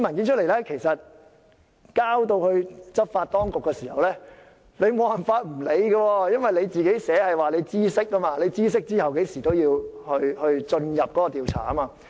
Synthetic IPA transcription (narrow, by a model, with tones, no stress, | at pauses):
mɐ˨˩nki˨˥nt͡ʃʰɵ˥le˨˩lɛː˥kʰe˨˩jsɐ˨t̚ | kaː˥wt̪o˧whɵ˧ɥt͡sɐ˥p̚faː˧t̚t̪ɔː˥ŋkʊ˨kːɛː˧siː˨˩hɐ˨wlɛː˦˥ | le˨˧jmo˨˧whɐ˨˩nfaː˧t̚m̩˨˩le˨˧jɡɐ˧wɔː˧jɐ˥nwɐ˨jle˨˧jt͡siː˨ke˨˥jsɛː˨˥hɐ˨jwaː˨˩le˨˧jt͡siː˥sɪ˥k̚ːɐ˥maː˧le˨˧jt͡siː˥s̬ɪ˥k̚t͡siː˥hɐ˨wke˨˥jsiː˨˩t̪o˥wjiː˧whɵ˧ɥhɵ˧ɥt͡ʃɵ˧njɐ˨p̚kɔ˨˦˥kɔ˧t̪iː˨wt͡sʰa̰ː˨˩ɐ˦˥maː˧